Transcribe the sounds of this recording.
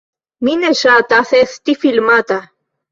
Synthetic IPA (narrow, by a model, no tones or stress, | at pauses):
mineʃat̪aθeθt̪ifilmat̪a